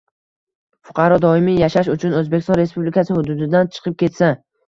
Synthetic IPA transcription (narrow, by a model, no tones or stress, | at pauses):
fʊ̥qʰɑɾɒd̪ɒɪmɪjaʃaʃʊt͡ʃʰʊnɵzbekʲɪst̪ɒnɾe̞spublɪkʰasɪhʊd̪ʊd̪ɪd̪ant͡ʃʰɨ̥qʰɨp̚kʲe̞t̪sa